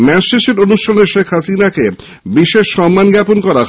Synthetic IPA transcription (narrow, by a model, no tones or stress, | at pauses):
mɛsʃeʃeɾonuʃtʰoneɾʃekʰɦasinake | biʃeʃːɔmːanɡɛponkɔɾa